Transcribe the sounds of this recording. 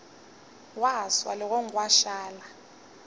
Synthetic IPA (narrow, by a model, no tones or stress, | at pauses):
waswa̰lɔk̬ɔŋwaʃaːla